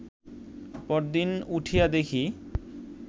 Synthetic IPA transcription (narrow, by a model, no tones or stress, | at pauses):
pɔɾd̪inuʈʰijad̪ekʰi